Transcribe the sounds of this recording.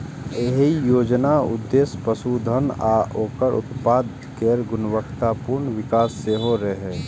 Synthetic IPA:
eɦijoːd͡ʒnaʊ̰d̪ːeːspəsud̪ʱənaːʔoːkəɾʔʊ̰t̪paːd̪ | keɾɡʊnʋəkt̪apuɾnʋɪkaːsːeɦoɾəɦɛː

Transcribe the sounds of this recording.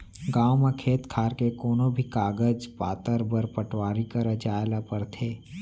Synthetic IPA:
ɡaːwmekʰeːt̪kʰaːɾkekoːnõbʱikaːɡəd͡ʒpaːt̪əɾbɐɾpəʈwaːɾikəɾɐd͡ʒaːjlapɐɾt̪ʰeː

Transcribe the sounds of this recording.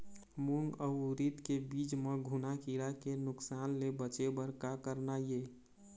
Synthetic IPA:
muŋɡəɾit̪kebiːd͡ʒmẽɡʱunakiɾakenʊksaːnlebət͡ʃebəɾkakəɾnaje

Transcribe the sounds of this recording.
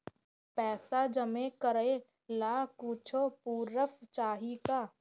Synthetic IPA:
pɛːsad͡ʒəmekəɾe | laːkuːt͡ʃʰoːpuːɾəft͡ʃaːɦikaː

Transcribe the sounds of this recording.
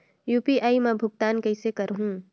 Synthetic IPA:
juːpiʔaːimɛ̃bʱʊɡ̚t̪aːnkɐɪsekɐɾɦũː

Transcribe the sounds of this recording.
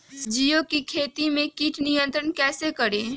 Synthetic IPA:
d͡ʒijokikʰeːt̪imẽkiːʈʰnijə̃nt̪ɾənkɛːsekəɾẽː

